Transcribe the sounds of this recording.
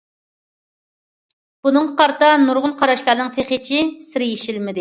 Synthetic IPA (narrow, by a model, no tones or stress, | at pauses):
b̥unɨŋqɑɾt̪ɑnuɾʁʊnqʰɑɾɑʃlˠɑɾnɨŋt̪ʰeχet͡ʃʰisɪɾjeʃilmɪd̪ɪ